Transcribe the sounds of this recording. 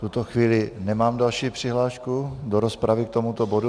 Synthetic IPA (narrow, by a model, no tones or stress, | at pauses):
t̪ut̪oxviːlɪnɛmaːmdalʃiːpr̝̥ɪɦlaːʃkudoɾospɾavɪk̚t̪omut̪obodu